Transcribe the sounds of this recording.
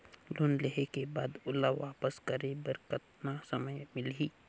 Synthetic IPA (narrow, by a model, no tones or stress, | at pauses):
loːnleɦekebaːd̪ʊlaʋaːpəskəɾebəɾkət̪nasəməjmɪlɦiː